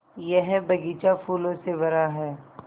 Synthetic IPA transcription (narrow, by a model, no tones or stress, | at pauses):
jɛɦbɐɡiːt͡ʃafuːlõsebɐɾaɦɛː